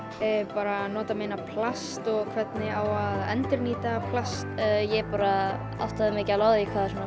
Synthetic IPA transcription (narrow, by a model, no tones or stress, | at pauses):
paːɾanɔːt̪ameːnapʰlast̪ɔɣkʰvɛt̪nɪaːwaðɛ̰nt̪ɪɾniːt̪apʰlast̪ːjɛpaːɾa | a̰wht̪aðɪmɪːcalaːwðɪikʰvaːðasɔna